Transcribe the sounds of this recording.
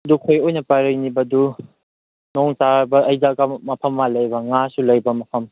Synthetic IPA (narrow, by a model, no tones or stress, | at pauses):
dukʰojojnɐpaɾɐjnibɐdu | nɔŋtaɾbɐʔːjzakɐmɐpʰɐmːalɐjbɐŋasulɐjbɐmɐpʰɐm